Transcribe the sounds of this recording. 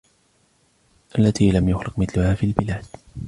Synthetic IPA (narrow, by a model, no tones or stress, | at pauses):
ʔalːat̪iːlamjʊxlɪqmɪθlʊhaːfiːlbɪlaːd̪̥